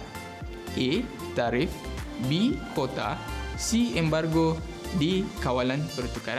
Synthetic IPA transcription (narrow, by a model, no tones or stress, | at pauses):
ʔe | t̪aɾifbikot̪a̰siɛmbarɡo | dikawalanpərt̪ukaɾa